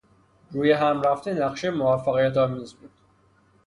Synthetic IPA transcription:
ɾuːjeɦæmɾæft̪enæχʃejemovæfːæɣijæt̪ʰɒːmiːzbuːd̪̥

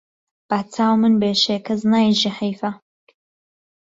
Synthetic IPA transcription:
b̥aːt͡sʰaːwmɨnbeːʃeːkʰɐznaːjʒiħijfɐ

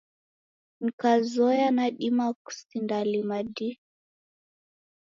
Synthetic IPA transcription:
n̩kazɔjanaɗimaku̥sindalimadi

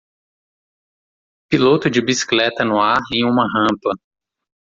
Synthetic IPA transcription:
pilot̪ʊd͡ʒɪbisi̥klɛt̪ɐnʊaɾẽj̃ũmɐɦɐ̃pɐ

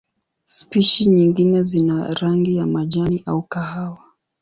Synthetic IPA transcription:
spiʃiɲiŋɡinɛzinaɾaŋɡijamaʄaniʔaukaɦawa

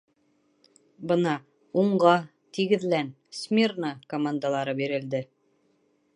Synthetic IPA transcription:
bɤ̆nɑ | uɴɢɑ | t̪iɡɘ̆ðlæn | smʲirnakomand̪alˠɑɾɤbiɾɘ̆ld̪ɘ

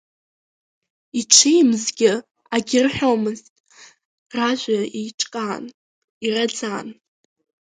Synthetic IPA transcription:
iʈ͡ʂʰejmzɡʲɪ | aɡʲɪrħʷᶣomɨztʼ | raʒʷaiʈ͡ʂʼkʼaːn | irad͡zaːn

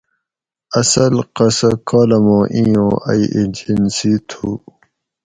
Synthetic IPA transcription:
ɐsɐlqɐsɐkʰɑːlɐmõːʔĩjõːʔɐ̰iʔed͡ʑinsit̪ʰu

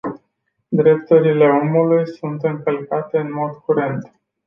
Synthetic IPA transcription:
d̪ɾe̞p̚t̪uɾile̞o̞mulujsunt̪ɨŋkəlkat̪e̞ɨnmo̞d̪kuɾe̞nt̪

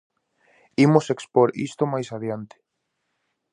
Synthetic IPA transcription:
imʊsekspoɾḭst̪ʊmajsaðjant̪ɪ̥

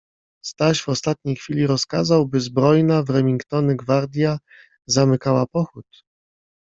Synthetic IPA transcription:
st̪aʑvɔst̪at̪̚ɲejxfʲilʲiɾɔskazawbɘzbɾɔjnavɾɛmʲiŋkt̪ɔnɘɡvaɾd̪ʲja | zamɘkawapɔxut̪

